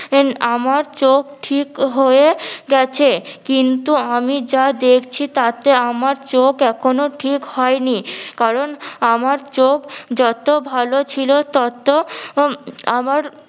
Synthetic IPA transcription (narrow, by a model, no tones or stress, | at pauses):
amaɾt͡ɕok̚ʈʰikɦoeɡɛt͡ɕʰekint̪uamid͡ʑad̪ekʰt͡ɕʰit̪at̪eamaɾt͡ɕokɛkʰonoʈʰikhɔenikaɾonamaɾt͡ɕokd͡ʑɔt̪obʱalot͡ɕʰilot̪ɔt̪o | amaɾ